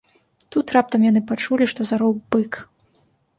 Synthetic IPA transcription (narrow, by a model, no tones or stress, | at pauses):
t̪ut̪rap̚t̪ɐmjanɨpat͡ʂulʲiʂt̪ɔzaɾɔwbɨk